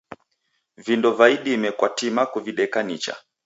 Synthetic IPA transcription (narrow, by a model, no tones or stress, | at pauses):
vindɔvaiɗiːmɛkwatimakuviɗɛkanit͡ʃa̰